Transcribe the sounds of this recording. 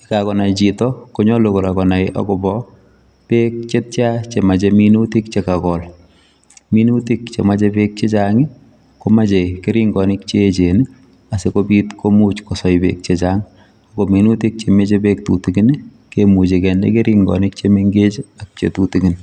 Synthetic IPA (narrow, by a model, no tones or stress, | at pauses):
ikakɔnait͡ʃitɔkoɲɔlokoɾakɔnaɪʔa̰kobɔ | pek̚t͡ʃet̚t͡ʃat͡ʃemat͡ʃɛminutikt͡ʃekakɔl | minutikt͡ʃḛmat͡ʃɛpek̚t͡ʃet͡ʃaːŋi | komat͡ʃekeɾiŋɡɔnɪkt͡ʃet͡ʃen | asekopitkʰomut͡ʃkosɔjpḛk̚t͡ʃet͡ʃaŋ | akominutik̚t͡ʃemet͡ʃepek̚tutikin | kemut͡ʃekɛndḛkeɾiŋɡɔ̰nɪk̚t͡ʃemeŋɡet͡ʃak̚t͡ʃḛtutikin